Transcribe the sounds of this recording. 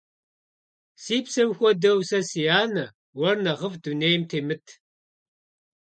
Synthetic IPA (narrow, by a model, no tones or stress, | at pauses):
siːpsɐwxʷɔdɐwsɐsijaːnɐ | wɐrnɐʁəvduneːjmtʰeːmɨtʰ